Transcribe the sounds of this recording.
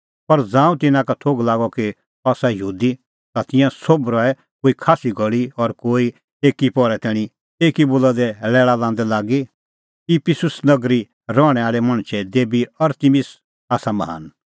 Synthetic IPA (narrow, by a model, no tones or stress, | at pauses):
pɐɾd͡zãːũt̪ɪnãkat̪ʰoːɡlaːɡɔki | ɔːsajəɦuːd̪i | t̪at̪ɪ̃jãsobɾɔɛ | koːikʰaːsiɡʱɔɭiɔɾkoːi | eːkipɔɾɛt̪ɛːɽ̃i | eːkiboːlad̪ɛlɛːɭalãːn̆d̪ɛlaːɡi | kipʰɪsʊsnɐɡɾi | ɾɔ̃ːɛaːɭɛmɐ̃ɽ̃t͡ʃʰɛd̪eːbiɐɾt̪imɪs | aːsamɐɦa̰ːn